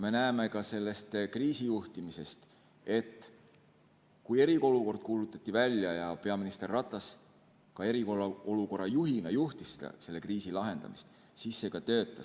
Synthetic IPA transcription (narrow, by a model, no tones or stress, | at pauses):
me̞næeme̞kɑse̞lːest̪kriːsijuht̪imise̞st̪ | e̞t̪ːˑ | kuje̞ɾikooluko̞rd̪̥̚kuːlut̪ːˑɑt̪ʲːˑivælʲjɑjɑpe̞ɑminist̪e̞rːɑt̪ːˑɑs | kɑe̞ɾikolːɑoluko̞rːɑjuɦinɑjuht̪issd̪ɑ̰se̞lːe̞kriːsilɑɦe̞nd̪̥ɑ̰mist̪ | sisːe̞ɡ̥ɑt̪ø̞ːt̪ˑːɑs